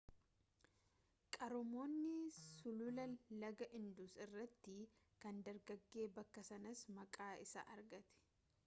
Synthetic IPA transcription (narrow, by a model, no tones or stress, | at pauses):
kʼɐɾʊmo̞ːnːɪsʊlʊlɐlɐɡɐʔɪnd̪ʊsɪrːɐt̪ːɪ | kɐnd̪ɐɾɡɐɡːe̞ːbɐkːɐsɐnɐsmɐkʼaːɪsɐ̰ʔɐɾɡɐt̪ɛ̥